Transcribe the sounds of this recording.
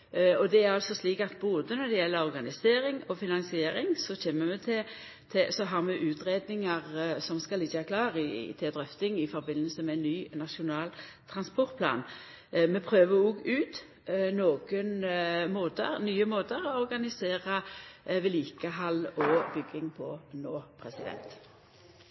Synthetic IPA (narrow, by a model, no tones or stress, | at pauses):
ɔd̪ɛæɾɑlsɔsliːkɑt̪boːd̪ənɔd̪ɛjɛlːəɾɔʁɡɑnɪseːɾɪŋɔfɪnɑnsɪeːɾɪŋsɔçeːmːəmɛt̪ʰɪ | t̪ʰɪsɔɦɑʁmɛʔʉːt̪ɾeːd̪̚nɪŋəʁsɔmskɑlɪçəʋæɾkʰlɑːɾɪt̪ʰɛd̪ɾʁœft̪ɪŋɪfɔɾbɪnːəlsəmɛnːyːnɑʂʊnɑːlt̪ʰɾɑnspɔʁt̪pʰlɑ̰ːn | mɛpʰɾøːʋəuːɡʉːt̪ | noːɡ̥ənmoːt̪ə̰ɾnyːəmoːt̪əɾɔɔɾɡɑnɪseːɾəʋɪliːkəɦɑlɔbʏɡːɪŋpʰɔnoːpʰɾɛsɪd̪ɛ̰nt̪